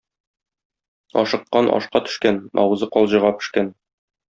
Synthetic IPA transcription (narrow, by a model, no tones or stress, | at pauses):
ɒʃɤ̆qːɑnʔɒ̰ʃqɑt̪ɵ̥̆ʃkænɒ̰wɤ̆zɤqɒlˠʑɤ̆ʁɑpɘ̥̆ʃkæn